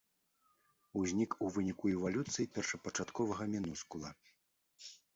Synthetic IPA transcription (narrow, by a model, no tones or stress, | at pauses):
uzʲnʲikuvɨnʲikuɛvalʲut̪sɨjipʲɛrʂɐpɐt͡ʂat̪kɔvɐɣɐmʲinuskulˠɐ